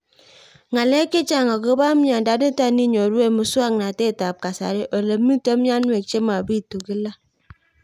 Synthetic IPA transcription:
ŋa˨le˦ki˦t͡ʃa˦˨ŋa˨ko˦ba˦mja˨n˨da˨˦di˦ta˦ni˦ɲo˨ɾu˦e˦mu˨su˦a˦˨ŋ˨a˨te˦˨ta˨b̚ka˨sa̰˨ɾe˦ʔo˨lə˨˦mi˦te˦m˦a˦nwe˨t͡ʃe˦ma˨bi˦˨to˨ki˦la˦

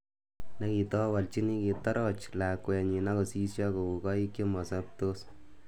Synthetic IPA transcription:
na˦ki˨tɔ˦wa˨lt͡ʃi˦ni˦ki˨ta˦ɾɔt͡ʃla˨kwɛ˨ɲi˨na˦ko˨si˦sja˦ko˨u˨kɔ˦i˦kje˦mɔ˨sa˦p̚to˦s

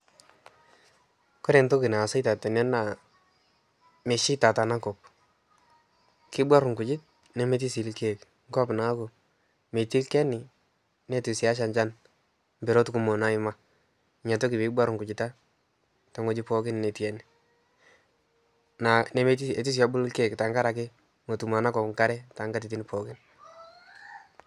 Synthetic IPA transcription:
kɔ˦ɾɛ˨nto˦kɪ˨na˨sa˦ɪta˨tɛ˨nɛ˦na˨ | me˨ʃɪ˦ta˨ta˨na˦kɔ˨p̚ | kɪ˦bwa˦ɾʊ˨ŋkʊ˨t͡ʃɪ˦t̚ | nɛ˨me˦t̬i˦si˨lke˦k | ŋ˦kɔ˦pnaː˨˦ko˨ | me˨ti˦lkɛ˦nɪ˨ | ne˦ti˨sja˦ʃ̬a˨ɲt͡ʃa˦n | mbɛ˨ɾo˦tu˦ku˦mo˨na˦ɪ˦ma˨ | ɲa˨to˦kɪ˨pi˦bwa˦ɾʊ˨ŋkʊ˨t͡ʃɪ˨ta˦ | ta˨˦ŋo˦d͡ʒɪ˦pɔ˦kɪ˦nne˨twɛ˦ni | na˨ne˦me˦ti˦e˨ti˦s̬a˦bʊ˦llke˦kta˨ŋka˦ɾa˨k̬ɪ˦ | ŋo˨tu˨ma˨na˦kɔ˨pŋka˦ɾɛ˦ta˨ŋɡa˦t̬i˨t̬i˦nɪ˦pɔ˨kɪ˦n

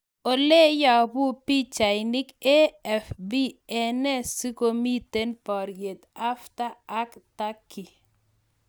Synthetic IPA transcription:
o˨le˦ja˨bʊ˦pi˦t͡ʃa˨jɪnɪ˦ke˦ɛ˨fbi˦ɛ˨nɛ˦si˦ko˦mi˦t̪e˦npɔ˨ɾje˨t̪a˦ftaː˦kta˦kːi˨

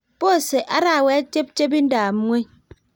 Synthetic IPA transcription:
po˦˨se˨ʔa˦ɾa˦˨wɛ˦a˦t͡ʃe˦p̚t͡ʃe˦p̬i˦n̩˦da˨m̩˦ŋʷe˦

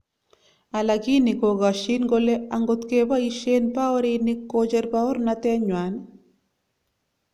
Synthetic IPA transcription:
a˨la˨ki˦ni˨ko˨ɡaʃinɡole˦aŋɡot̪keba˦iʃenpa˦ɔ˦ɾinikːod͡ʒeɾpa˦ɔ˦ɾnat̪ɛ˦ɲwa˨n

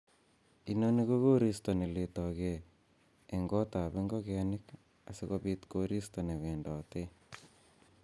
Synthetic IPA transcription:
i˨no˦niɣo˦ɣo˦ɾi˦sto˨ne˨letɔ˨ɣeː˨ | ŋɡo˦ta˨βe˦ŋɡo˦ɣeni˦k | a̰˨siɣo̰βit̪koɾi˦sto˨ne˨βe˨ndɔ˨t̪e˦

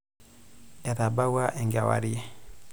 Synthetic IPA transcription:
ɛ˨ɾa˨ba˦wa˦ʔɛ˨ŋɡa˨wa̰˨ɾi˦e˦

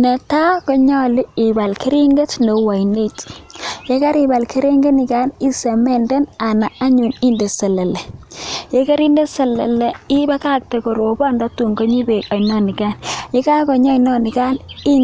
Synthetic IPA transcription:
ne˨ta˦kɔ˦ɲɔ˦li˦ɪ˨ba˨lkʰe˦ɾi˦ŋɡe˦tne˨wa˨jne˦tje˦ka˦ɾi˨ba˨lkʰe˦ɾe˦ŋɡe˦ni˨ka˦ni˦se˨mɛ˨nde˦na˨na˨a˦ɲu˨ni˦nde˨sɛ˨le˨le˨je˦ka˦ɾi˦nde˦sɛ˨le˨le˨i˦ba˦ka˦k̚te˨ko˨ɾo˨bɔ˦ndɔ˦tu˨ŋɡo˦ɲi˦be˨ka˨jnɔ˦ni˨ka˦nje˦ka˦kɔ˨ɲɔ˦inɔ˦nɪ˨ka˦ni˦

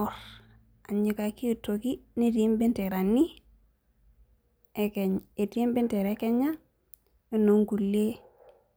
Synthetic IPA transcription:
ɔ˦ɾ | a˨ɲi˨ka˨ki˦˨tːo˨ki˦ne˦ti˨˦mbi˦ntɛ˨ɾa˨nːi˦ | e˦kɛ˨ɲe˨ti˦mbɪ˦ntɛ˨ɾɛkɛ˦ɲa˦ | e˦no˨ŋɡu˨le˦

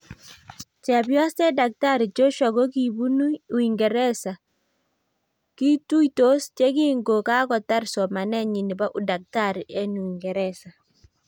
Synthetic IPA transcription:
t͡ʃɛ˨bjɔ˦stɛ˦da˨k̚ta˦ɾi˨t͡ʃo˦ʃɔ˨ɡɔ˦ki˨bu˦nu˦u˨i˨ŋɡɛ˨ɾɛ˦sa˨ | ki˦tu˦ito˦st͡ʃe˦k̬i˦ŋɡo˨ka˦kɔ˨ta˦ɾsɔ˨ma˨nɛ˦ɲi˨ni˨ba˦ʔʊ˨da˨k̚ta˦˨ɾe˦nu˨i˨ŋɡɛ˨ɾɛ˦sa˨

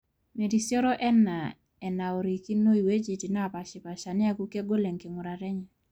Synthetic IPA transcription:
me˨di˨sjɔ˦ɾɔ˦ʔɛ˦na˨ | ɛ˨na˨o˨ɾi˨ki˦no˦i˨we˦d͡ʒe˨ti˨na˦˨pa˨ʃɪ˨pa˨ʃa˨nɪ˦a˦ku˦ke˦ɡo˦le˨ŋkɪ˨ŋʊ˨ɾa˨ɾɛ˦ɲɛ˨

